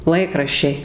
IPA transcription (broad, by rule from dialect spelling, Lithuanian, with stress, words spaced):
ˈlˠɐɪkrɐʃʲt͡ʃʲɛɪ